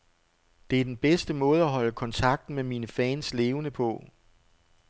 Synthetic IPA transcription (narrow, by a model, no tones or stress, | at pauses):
d̥e̝æɐd̥enb̥esd̥əmɔ̽ːð̞ˠæɦɒ̽ləkʰɒ̽nt͡sʰɑ̈ɡ̥̚d̥n̩memiːnəfɛːnsle̝ːʊənəpʰɔ̽